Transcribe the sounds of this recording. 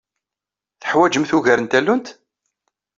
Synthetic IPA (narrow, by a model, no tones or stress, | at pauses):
θə̥ħwæd͡ʒəmθuʝæɾənt̪ælːunt̪